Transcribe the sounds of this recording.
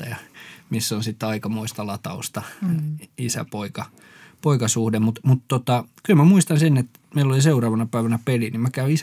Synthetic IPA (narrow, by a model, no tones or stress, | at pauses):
ɑjɑmisːonsit̪ːɑikɑmoist̪ɑlɑt̪ɑ̰ust̪ɑ | isæ̰poikɑ | poikɑsuhdemut̪mut̪t̪ot̪ɑkylmæmuist̪ɑnsenːet̪ | meilːoliseurɑːʋɑnɑpæˑiʋænæpelinimmækæyis